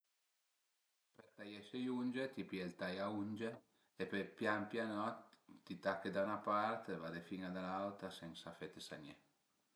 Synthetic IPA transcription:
peɾt̪ajɛʃejunʲd͡ʒet̪ipjelt̪ajaund͡ʒeː | pepjampjanɔt̪ːit̪akːed̪anapaɾt̪evad̪efiŋad̪alalt̪ɾasɛŋsafet̪esaɲe

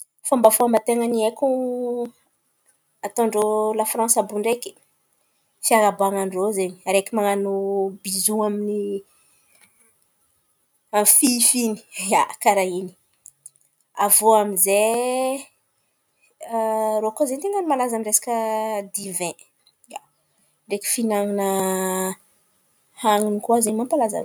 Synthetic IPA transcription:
fambafoambat̪eŋənieku | at̪õɳɖ͡ʐolafrãnsabuɳɖ͡ʐeki̥ | fiaɾabaŋaɳɖ͡ʐozeɲiɾekimaŋanubizuamini | amfifini̥akaɾaɦini̥ | avuamize | ɾokozent̪eŋənimalazamiresḁkəd̪ivɛ̃ | a | ɳɖ͡ʐeki̥finaŋinə | haŋinikuazeɲmampalaza̰

